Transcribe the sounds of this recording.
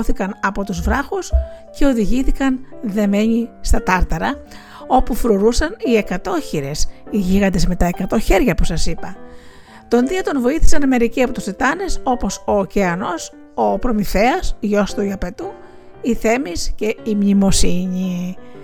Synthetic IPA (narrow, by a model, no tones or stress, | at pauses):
θikɐnɐpo̞t̪uzvɾɐxusce̞o̞ðiʝiθikɐnðe̞me̞ɲist̪ɐt̪ɐɾt̪ɐɾɐ | o̞pufɾoɾusɐnie̞kɐt̪o̞çiɾe̞siʝiɣɐnd̪e̞zme̞t̪ɐe̞kɐt̪o̞çe̞ɾʝɐposɐsipɐ | t̪o̞nðiot̪o̞nvo̞iθi̥sɐnɐme̞ɾiciɐpo̞t̪ust̪et̪ɐne̞so̞po̞so̞ceɐno̞s | opɾo̞mife̞ɐsʝo̞st̪uiɐpe̞t̪u | iθe̞misce̞imɲimo̞siɲi